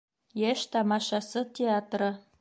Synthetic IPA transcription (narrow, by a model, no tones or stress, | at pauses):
jeʃt̪ɑmɑʃɑsɤt̪ʲeɑt̪rɤ̆